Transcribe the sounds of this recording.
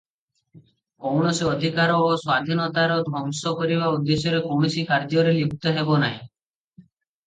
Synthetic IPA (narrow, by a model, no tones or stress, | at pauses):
kowɽ̃ɔsiɔd̪ʱikaɾɔːswad̪ʱinɔt̪aɾɔd̪ʱɔŋsɔkɔɾibaud̪ːesjɔɾekowɽ̃ɔsikaɾd͡ʒɔɾelibʰt̪ɔɦebɔnaɦḭ̃